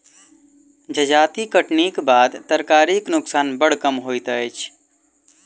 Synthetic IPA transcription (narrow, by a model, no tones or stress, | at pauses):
d͡ʒəd͡ʒaːt̪ikəʈnikbaːd̪t̪əɾkaːɾiknʊksaːnbəɽ̤kəmɦoːit̪əet͡ʃʰ